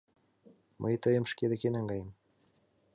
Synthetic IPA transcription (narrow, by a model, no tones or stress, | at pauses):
mʔə̰jt̪əjə̆mʃked̪ɘkenɑŋɡɑjə̆m